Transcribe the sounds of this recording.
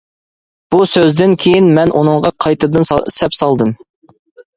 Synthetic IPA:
b̥usøzd̪ɪnkʲʰejinmɛnʔunɨŋʁɑqʰɑjt̪ɨd̪ɨnsɛpsɑlˠd̪ɨm

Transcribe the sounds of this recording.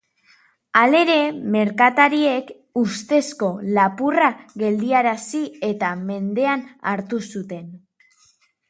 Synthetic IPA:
ale̞ɾe̞me̞ɾkat̪aɾie̞k | ust̪e̞sko̞lapuraɣe̞ld̪iaɾasie̞t̪ame̞nd̪e̞ana̰ɾt̪usut̪e̞n

